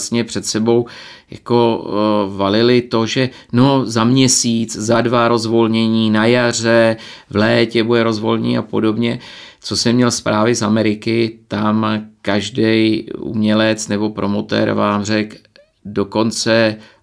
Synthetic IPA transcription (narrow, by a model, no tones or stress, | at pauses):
sɲɛpr̝̥ɛt̪sɛbo̞wja̰ko̞valɪlɪt̪o̞ʒɛ | no̞zamɲɛsiːt͡szadvaɾo̞zvo̞lɲɛɲiːnajar̝ɛvlɛːcɛbudɛɾo̞zvo̞lɲɛ̰apo̞do̞bɲɛ | t͡so̞sɛmɲɛlspɾʔaːvɪzamɛɾɪkɪt̪amkaʒdɛjʔṵmɲɛlɛt͡snɛbo̞pɾo̞mot̪ɛ̰ɾvaːmr̝ɛk | do̞ko̞nt͡sɛ